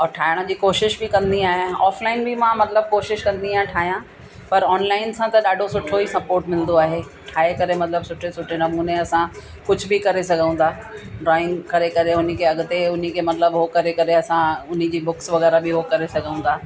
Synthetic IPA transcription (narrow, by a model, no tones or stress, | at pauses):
ɔːɾʈʰaːɪɽ̃ə̆d͡ʑiːkoːʃɪʃbɪkɐ̃nd̪iaːɦeaːflaːɪnbɪmãmɐt̪ləb̚koːʃɪʃkɐ̃nd̪iaːɦʈʰaːɦijã | pɐɾɔːnlaːɪnsãt̪ɐɗaːɖʱosʊʈʰoisɐpoːɾʈmɪlnd̪oaːɦeː | ʈʰaːɦekɐɾemɐt̪ləbsʊʈʰesʊʈʰenɐmuːneɐsã | kʊd͡ʑʱʊbɪkɐɾesɐɡʱə̃ũːnd̪aː | ɖɾaːɪnkɐɾekɐɾeʊn̤ikʰeɐɡʊt̪eʊn̤ikʰeːmɐt̪ləbɦokɐɾekɐɾeɐsãʊn̤ĩd͡ʑiːbʊksʋɐɣɛːɾabɪɦokɐɾesɐɡʱə̃ũn̆d̪aː